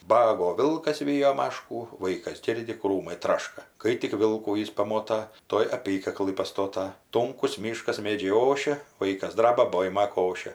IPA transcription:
ˈbɑːɡoː ˈʋʲɪlˠkɐs ˈʋʲiːjoː ˈmɑːʃkuː ˈʋɐɪkɐs ˈɡʲɪrʲdʲɪ ˈkruːmɐɪ ˈtrɑːʃkɐ ˈkɐɪ tʲɪk ˈʋʲɪlˠkuː ˈjɪs pɐˈmoːtɐ ˈtuɔj ɐˈpʲiːkɐklˠɨ pɐˈstoːtɐ ˈtʊŋkʊs ˈmʲiːʃkɐs ˈmʲeːd͡ʒʲɛɪ ˈoːʃʲɛ ˈʋɐɪkɐs ˈdrɑːbɐ ˈboːɪmɐ ˈkoːʃʲɛ

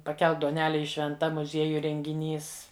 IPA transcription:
pɐˈkʲɛlˠk duɔˈnʲæːlʲɛ ˈjɪ ʃʲʋʲɛnˈtɐ mʊˈzʲiɛjʊj rʲɛŋʲɡʲɪˈnʲiːs

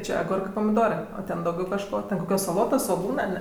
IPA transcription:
ˈt͡ʃʲɛ ɐˈɡʊrkɜ pɐmʲɪˈdoːrɜ oː ˈtʲɛn dɐʊˈɡʲɛʊ kɐʃˈkoː tʲɛn koːˈkʲoːs sɐˈlˠoːtoːs sʋoːˈɡuːnɜ ɐr nʲɛ

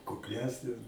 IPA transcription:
kʊkˈlʲæːsʲnʲeːs

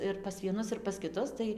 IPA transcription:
ɪr pɐs ʋʲiɛˈnʊs ɪr pɐs kʲɪˈtʊs ˈtɐɪ

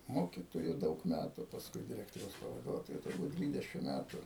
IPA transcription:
ˈmoːkʲɪtoːjʊ ˈdɐʊk ˈmʲætʊ pɐsˈkʊɪ dʲɪˈrʲæːktoːrʲɛʊs pɐʋɐˈduɔtoːjʊ tʊrˈbuːt ˈdʲʋʲiːdʲɛʃʲɪm ˈmʲætʊ

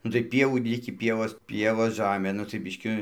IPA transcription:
nʊ tɐɪ ˈpʲiɛʋuː ˈlʲɪkʲiː ˈpʲiɛʋoːs ˈpʲiɛʋoːs ˈʒɑːmʲeː nʊ tɐɪ ˈbʲɪʃʲkʲɪ

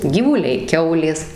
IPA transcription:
ɡʲiːʋʊˈlʲɛɪ ˈkʲɛʊlʲeːs

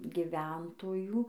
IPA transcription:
ɡʲɪˈʋʲɛntoːjuː

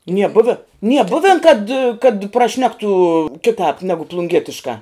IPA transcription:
nʲiɛ ˈbʊʋʲɪ nʲiɛ ˈbʊʋʲɛn kɐt kɐt prɐˈʃʲnʲæːktʊ ˈkʲɪtɑːp ˈnʲæːɡʊ plˠʊŋʲˈɡʲiɛtʲɪʃkɑː

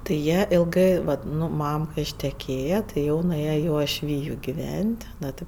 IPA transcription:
tɐɪ ˈjiɛ ɪlˠˈɡɜ ˈʋɐt ˈnʊ ˈmɐm kɐɪ ɪʃʲtʲɛˈkʲeːjɛ tɐɪ ˈjɛʊ nʊˈeːjɛ ɪ uɔʃʲˈʋʲiːjʊ ɡʲɪˈʋʲɛnʲtʲ ˈnoː tʲɪ

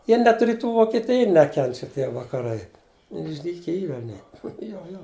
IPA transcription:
ˈjiɛ nʲɛt rʲɪˈtuː ʋoːkʲɛˈtʲɪjɛ ˈnʲæːkʲɛnʲt͡ʃʲɛ ˈtʲiɛ ʋɐkɐˈrɐɪ ɪʒʲˈdʲiːkʲɛ ˈiːr ɐˈnʲiɛ ˈjoː joː

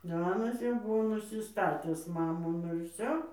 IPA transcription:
ˈɑːnɐs jɛʊ ˈbʊʋoː nʊsʲɪˈstɑːtʲɪs ˈmɑːnoː ˈnʊ ɪr ˈʋʲsʲoː

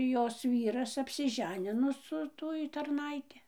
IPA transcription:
ˈjoːs ˈʋʲiːrɐs ɐpʲsʲɪˈʒʲæːnʲɪnoː sʊ ˈtuɔj tɐrˈnɐɪtʲɪ

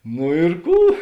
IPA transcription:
noː ɪr ˈkuː

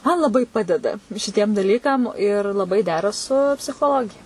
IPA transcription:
mɐn lˠɐˈbɐɪ ˈpɑːdʲɛdɐ ʃʲɪˈtʲiɛm dɐˈlʲiːkɐm ɪr lˠɐˈbɐɪ ˈdʲæːrɐ sʊ pʲsʲɪxoːˈlˠoːɡʲɪjɛ

